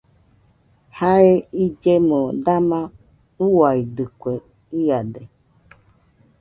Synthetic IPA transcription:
haeid͡ʒemõdamã | uwaid̪ɨkʷe | iade

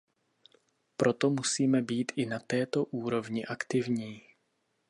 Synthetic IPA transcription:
pɾo̞t̪o̞musiːmɛbiːt̪ʔɪnat̪ɛːt̪o̞ʔuːɾo̞vɲɪʔakt̪ɪvɲiː

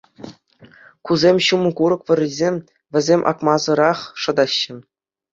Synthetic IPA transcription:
kuzʲemʲɕumɤ̆kuɾɤ̆kʋʲɤ̆rʲizʲemʲ | ʋʲɘ̆zʲemʲʔɑ̰kmɑzɤ̆ɾɑχʂɤ̆d̪ɑɕːɘ̆

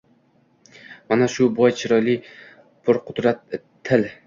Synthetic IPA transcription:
manaʃʊbɒjt͡ʃʰɪɾɒjli | pʰʊɾqʰʊd̪ɾat̪ʰː | ɪl

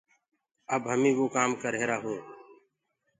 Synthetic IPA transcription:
əbɦəmĩːʋoːkaːmkəɾeːɾaːɦoː

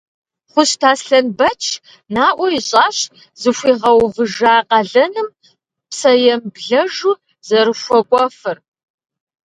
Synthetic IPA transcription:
χʷʊɕtʰaːsɬɐnbɐt͡ʃʰ | naːʔʷɔiɕʼɑːɕ | zɨɕʷiːʁɐwvɨʒaːqɐɮɐnɨm | psɐjɛmbɮɐʒu | zɐɾɨɕʷɔkʷʼɔfɨr

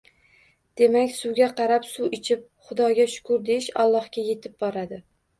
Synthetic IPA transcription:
d̪̥e̞makʲsuɡʲaqʰɑɾapsuɪt͡ʃʰɪp̚χʊd̪ɒɡʲaʃʊ̥kʰʊɾd̪e̞ʃa̰lˠːɒhkʲaje̞t̪ʰɪb̚bɒɾad̪ɪ

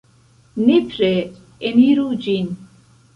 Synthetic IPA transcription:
nitɾe | eniɾud͡ʒin

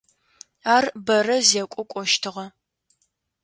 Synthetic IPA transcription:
aːrbɐrɐzɛkʷʼɔkʷʼɔʃtʰɨʁɐ

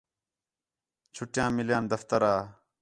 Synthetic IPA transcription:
t͡ʃʰʊʈjãːmɪljãːnd̪ɐft̪əɾaː

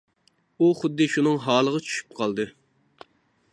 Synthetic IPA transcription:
uχʊd̪ːɨʃunɨŋɦɑːlˠəʁɑt͡ʃʰy̥ʃy̥p̚qʰɑlˠd̪ɨ

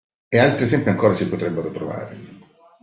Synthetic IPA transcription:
ealt̪ɾiesɛmpiaŋkoːɾasipːot̪ɾɛbːeɾot̪ɾova̰ːɾḛ

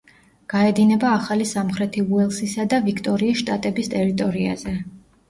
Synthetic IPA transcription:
ɡ̥aɛd̪inɛbaːχalisamχɾɛt̪ʰiuɛlˠsisad̪avikʰt̪ʼɔɾiːʃt̪ʼat̪ʼɛbist̪ʼɛɾit̪ʼɔɾia̰zɛ

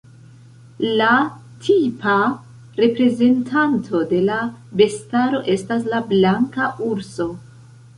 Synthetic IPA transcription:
la | tʰipʰa | ɾe̞pɾe̞ze̞ntʰantʰo̞de̞labe̞staɾo̞ʔe̞stas̬lablaŋkaʔuɾso̞

